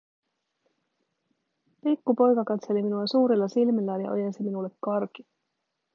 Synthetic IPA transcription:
pikːupo̞jkɑkɑt̪se̞liminuɑsuːɾilːɑsilmilːæːnjɑ̰ʔo̰jesiminulːe̞kːɑrki

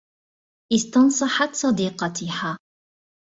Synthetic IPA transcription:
ʔɪst̪ɑnsˤɑħat̪sˤɑd̪iqɑt̪iha

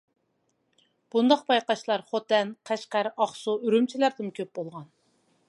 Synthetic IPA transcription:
b̥und̪ɑq̚bɑjqɑʃlˠɑɾχot̪ɛnqʰæʃqæɾɑχsuyɾymt͡ʃʰilæɾd̪ɪmkʲʰøp̚bolˠʁɑn

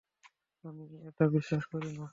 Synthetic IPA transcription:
amietabiʃːaʃkoɾina

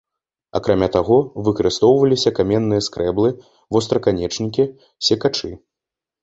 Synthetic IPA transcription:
a̰kɾamʲat̪aɣɔvɨkɐɾɨst̪ɔwvɐlʲisʲɐkamʲɛnːɨjɐskɾɛblˠɨ | vɔst̪ɾɐkanʲɛt͡ʂnʲikʲi | sʲɛkat͡ʂɨ

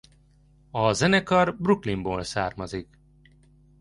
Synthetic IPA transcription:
ɒzɛnɛkɒrbruklimboːlsaːrmɒzik

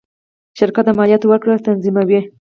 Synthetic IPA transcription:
ʃɪɾkat̪̚d̪əmɑlijat̪wəkɽət̪anzimawi

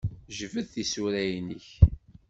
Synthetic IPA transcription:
ʒəvəðθisuɾæjnəç

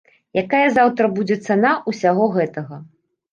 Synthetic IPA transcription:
jakajɐzawt̪ɾɐbud͡zʲɛt̪sanaʔusʲaɣɔɣɛt̪ɐɣɐ

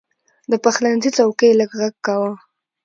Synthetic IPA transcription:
d̪əpaxlanzit͡sawkəjləɡɣaɡ̚kawə

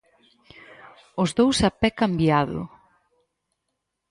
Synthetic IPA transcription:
ʊzðowsapɛkambjaðʊ̰

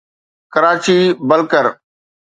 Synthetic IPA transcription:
kəɾaːt͡ʃiːbəlkəɾ

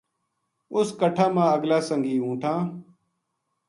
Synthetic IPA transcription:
ʊskəʈʰãːmãːəɡlaːsəŋɡiːũːʈʰãː

